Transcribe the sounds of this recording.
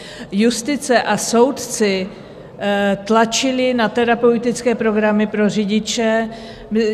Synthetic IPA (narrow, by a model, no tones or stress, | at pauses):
just̪ɪt͡sɛʔaso̞wt̪t͡sɪ | t̪lat͡ʃɪlɪnat̪ɛɾapɛut̪ɪt͡skɛːpɾo̞ɡɾamɪpɾo̞rɪɟɪt͡ʃɛ | m